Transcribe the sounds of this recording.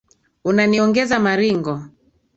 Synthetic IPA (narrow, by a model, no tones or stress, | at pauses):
unaniɔŋɡɛzamaɾiŋɡɔ